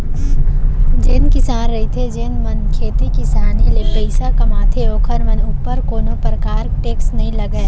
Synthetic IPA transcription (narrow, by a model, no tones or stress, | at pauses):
d͡ʒeːnkɪsaːnɾɐit̪ʰed͡ʒeːnmɐnkʰeːt̪ikɪsaːnilepəɪsakɐmaːt̪ʰeoːkʰəɾmɐnʊpːəɾkoːnõpɾəkaːɾʈeːksnɐɦĩlɐɡəe